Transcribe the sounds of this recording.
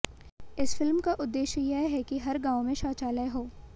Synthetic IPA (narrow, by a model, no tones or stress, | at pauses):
ɪsfɪlmkaʔʊd̪ːeːʃəjɛɦɛkiɦɐɾɡãːʋmẽʃaːt͡ʃaːləɦoː